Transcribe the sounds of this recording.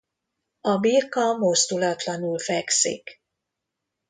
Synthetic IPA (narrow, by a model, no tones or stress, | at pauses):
ɒbiːrkɒmo̞zd̪ulɒt̪lɒnulfɛksḭk